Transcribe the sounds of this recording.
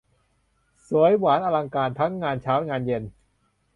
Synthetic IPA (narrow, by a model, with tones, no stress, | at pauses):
su˩˦əjwaː˩˦nʔaː˧la˧ŋkaː˧nt̪ʰa˦˥ŋːaː˧nt͡ɕʰaː˦˥wŋaː˧nje˧n